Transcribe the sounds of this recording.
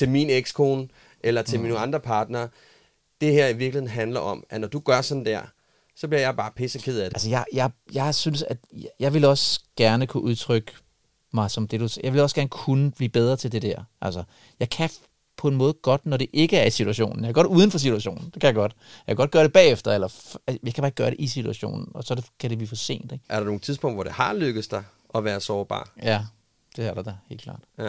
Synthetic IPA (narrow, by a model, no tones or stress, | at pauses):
t͡sʰe̝lmineɡ̥skʰoːn | ʔelɐt͡se̝minoɑ̈nd̥ʁɐpʰɑ̈ːd̥nɐː | d̥e̝heɐ̰iʋiɐɡlihe̝n̩ɦænlɐʔɒ̽mʔænɒd̥uɡ̥ɶɐsɒ̽d̥n̩d̥æɐ̰ | sɒ̽b̥liɐjɑ̈ɪb̥ɑ̈ːpʰesɐkʰeð̰ˠædeælsəjɑɪjɑ̈ɪjɑ̈ɪsynsæd̥jɑ̈ɪʋe̝lɒ̽sɡ̥æɐnəkʰuʔuð̞ˠt͡sʰʁœɡ̥ə | mɑ̈ɪsɒ̽md̥e̝ɾ̥usjɑɪʋe̝lɒ̽sɡ̥æɐnəkʰunəb̥lḭːb̥eð̞ˠʁɐt͡sʰe̝ld̥e̝d̥æɐ̰ʔælsɐ | jɑ̈ɪkʰæ | pʰɒ̽e̝nmɔ̽ːð̞̩ˠəɡ̥ɒ̽d̥nɒɾ̥e̝ʔe̝ɡ̥əæɐisit͡sʰuæɕo̝̰ːn̩jɑkʰæɡ̥ɒ̽ɾduːð̞ˠən̩fɒ̽s̬it͡suæɕo̝̰ːn̩d̥e̝kʰæjɑ̈ɡ̥ɒ̽d̥ | jɑakʰæɡ̥ɒ̽d̥ɡ̥ɶːɐɾ̥e̝b̥ɛ̰ːefd̥ɐelɐæjɑɪkʰæb̥ɑ̥̈ːɡ̥ɶːɐɾe̝ʔisit͡sʰuæɕo̝̰ːnn̩ɒ̽sɒkʰæd̥e̝b̥liːfɒ̽se̝̰ːnd̥eɡ̥ʔæɐdɑ̈no̝ːŋ̩ˠt͡sʰiðˠpɔ̽ŋd̥ʋɒd̥e̝hɑ̈løɡ̥əð̩ˠsd̥ɑ̈ɪ | ɒ̽ʋæːɐsɒːb̥ɑ̰̈ːjæ | d̥e̝æɐɾɐd̥ɑhe̝ːlkʰlɑ̰̈ːd̥